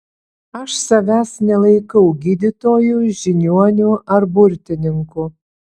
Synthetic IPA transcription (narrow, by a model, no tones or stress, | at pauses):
ɐʃsɐʋʲæːsnʲɛlˠɐɪkɐwɡʲiːd̪ʲɪt̪oːjʊʒʲɪnʲuɔnʲʊʔɐrbʊɾʲt̪ʲɪnʲɪŋkʊ